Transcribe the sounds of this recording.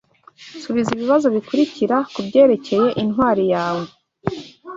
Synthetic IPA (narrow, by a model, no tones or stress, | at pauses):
suβiziβiβazo̞βikuɾiciɾakubɟe̞ːɾe̞ce̞je̞ʔinhwaːɾijaːwe̞